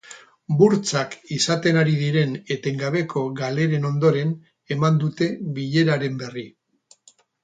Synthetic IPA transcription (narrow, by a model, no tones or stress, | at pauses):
buɾt͡sakisat̪e̞naɾiðiɾe̞ne̞t̪e̞ŋɡaβe̞kʰo̞ɣale̞ɾe̞no̞nd̪o̞ɾe̞n | e̞mand̪ut̪e̞βiʎe̞ɾaɾe̞mbe̞ri